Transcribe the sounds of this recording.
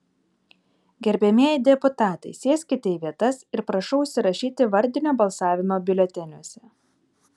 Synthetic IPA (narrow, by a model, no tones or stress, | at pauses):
ɡʲɛɾʲbʲɛmʲeɛjd̪ʲɛpʊt̪ɑːt̪ɐɪsʲeːsʲkʲɪt̪ʲɛɪʋʲiɛt̪ɐsɪɾpɾɐʃɔʊʊʃʲsʲɪɾɐʃʲiːt̪ʲɪʋɐɾʲd̪ʲɪnʲoːbɐlˠsɑːʋʲɪmoːbʲɪlʲɛt̪ʲɛnʲuɔsʲɛ